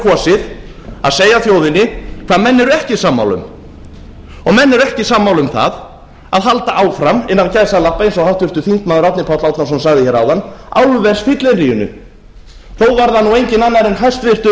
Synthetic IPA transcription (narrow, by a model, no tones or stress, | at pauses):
kʰɔːsɪð | aðseːjaθjoːwðɪnɪkʰvaːðmɛnːɛɾʏɛhcɪsaːmːa̰wlʏ̰m | ɔɣmɛnːɛɾɛhcɪsaːmːawlʏmθa̰ð | aðɦalt̪aʔaːwfɾamɪnːancaːjsaðlahpːaensɔɣhawht̪vɪr̥t̪ʏθiŋt̪maːðʏɾat̪nɪpʰawt̪lawt̪as̬ɔmsaɣðɪçɛɾawðana̰wlvɛsfɪt̪lɪnriːʏnʏ̰ | θowvaɾðanuejɲcɪnanːaɾɪnɦajst̪vɪr̥t̪ʏ